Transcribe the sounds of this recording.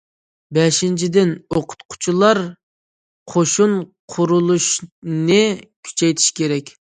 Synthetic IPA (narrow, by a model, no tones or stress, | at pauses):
bɛʃint͡ʃʰid̪ɪnoqʰʊ̥t̪qʰʊ̥t͡ʃʰulˠɑɾ | qʰoʃunqʰʊɾulˠuʃnɪkʲʰy̥t͡ʃʰɛjt̪ʰi̥ʃkʲeɾɛkʲ